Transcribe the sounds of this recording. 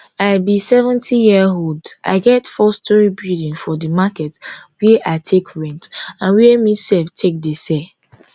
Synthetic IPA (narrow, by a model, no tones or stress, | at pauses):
aɪbisɛvɛ̃ntʰijiəɦolda̰ɪɡɛtfɔstʰɔɹibildĩnfɔdəmakɛtwɛʔaɪtʰekʰɹɛ̃ntãnwɛmisɛlftʰek̚desɛ